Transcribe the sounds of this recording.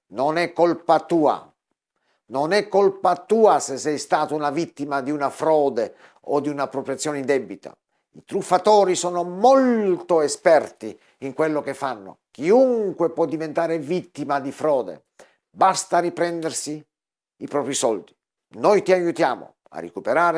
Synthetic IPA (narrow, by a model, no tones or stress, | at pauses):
nonɛkːolpat̪uːa̰ | nonɛkːolpat̪uːasesɛjst̪aːt̪ounavit̪ːimad̪iunafɾɔːd̪e | od̪iunapːɾopɾjat̪sːjɔːneind̪ɛbːit̪a̰ | it̪ɾufːat̪ɔːɾisɔːnomolt̪oespɛrt̪i | iŋkwelːokefːanːo̰k̟iuŋkwepwɔd̪ːivent̪aːɾevit̪ːimad̪ifɾɔːd̪ḛ | bast̪aɾipɾɛnd̪ersiː | pɾɔːpɾisɔld̪i | nɔjt̪iajut̪ja̰ːmo̰ | a̰rːḛkupeɾaːɾe